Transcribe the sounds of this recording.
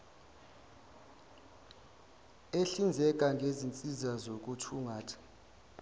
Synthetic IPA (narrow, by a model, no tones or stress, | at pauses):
eɬind͡zʱɛk̬ʼaŋɡʱezint͡sʼizazok̬ʼutʰuŋʱaːtʰḁ